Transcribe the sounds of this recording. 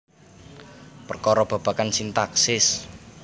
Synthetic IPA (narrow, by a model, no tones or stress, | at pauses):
pərkɔɾɔb̥a̤b̥a̤kansint̪aksɪs